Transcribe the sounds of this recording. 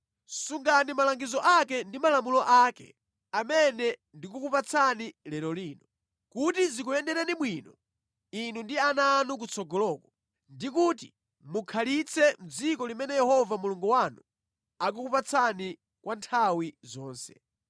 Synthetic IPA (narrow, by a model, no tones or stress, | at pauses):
suŋɡanimalaŋɡizɔʔakɛndimalamulɔʔaːkɛ̰ | amɛnɛndik̬ukupat͡sʰanilɛlɔliːnɔ | kutizikuɛndɛɾɛnimwiːnɔ | inundianaːnuk̬ut͡sʰɔɡɔlɔːkɔ | ndikutḭ | mukʰalit͡sʰɛm̩d͡zikɔlimɛnɛjɛhɔvamuluŋɡuwanu | ak̬ukupat͡sʰani | kwantʰawizɔːnsɛ̰